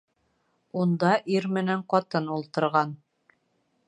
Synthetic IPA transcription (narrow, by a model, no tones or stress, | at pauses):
und̪ɑʔiɾmɘ̆næɴqɑt̪ɤnulˠt̪ɤ̆ɾʁɑn